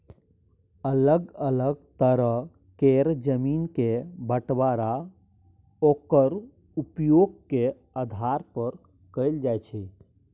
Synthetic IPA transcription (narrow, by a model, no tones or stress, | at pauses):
ələɡələɡ̚t̪əɾəɦ | keɾd͡ʒəmiːnkebəʈwaɾa | okəɾ | upjoːɡke | əd̪ʱaɾpəɾ | kəɪld͡ʒajt͡ʃʰɛ